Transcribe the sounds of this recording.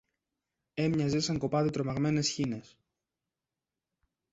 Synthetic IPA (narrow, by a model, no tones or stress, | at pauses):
e̞mɲɐzisɐŋko̞pɐðit̪ɾo̞mɐɣme̞ne̞sçine̞s